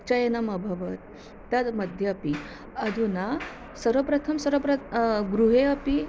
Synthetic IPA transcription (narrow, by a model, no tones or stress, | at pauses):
t͡ɕajenamɐbʱɐʋət̪̚ː | ɐt̪məd̪ʱjəːpi | ɐd̪ʱuna | səɾʋəpɾɐt̪ʰəmsɐɾʋəpɾɐɡɾuɦeɐpi